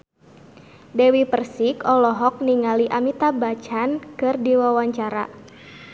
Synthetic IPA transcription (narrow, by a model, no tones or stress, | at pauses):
dɛwipərsikɔlɔɦɔk̚niŋaliʔamit̪abat͡ʃankɨrdiwawaɲt͡ʃaɾa̰